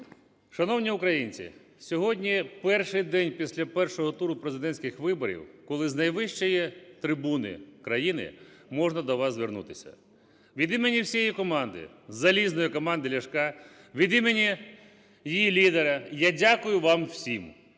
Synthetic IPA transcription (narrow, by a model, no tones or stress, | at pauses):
ʃɐnɔwnʲiʊkɾɐjinʲt͡sʲḭ | sʲɔɦɔdʲnʲipɛrʃɪjd̪ɛnʲpʲisʲlʲɐpɛrʃɔɦɔt̪uɾʊpɾezɪd̪ɛnʲsʲkɪxʋɪbɔɾʲḭwkɔlˠɪznɐjʋɪʃt͡ʃɔjit̪ɾɪbunɪ̰kɾɐjinɪ̰mɔʒnɐd̪ɔʋɑzzʋernṵt̪ɪsʲɐ̰ | ʋʲid̪imenʲiwsʲijjikɔmɑnd̪ɪ̰zɐlʲiznɔjʊkɔmɑnd̪ɪlʲɐʃkɑ | ʋʲid̪imenʲi | jijilʲid̪eɾɐjadʲakʊjʊʋɑmwsʲim